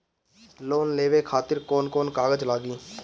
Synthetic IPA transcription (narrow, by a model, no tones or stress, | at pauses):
loːnleːʋekʰaːt̪ɪɾkɔːnkɔːnkaːɡəd͡ʒlaːɡiː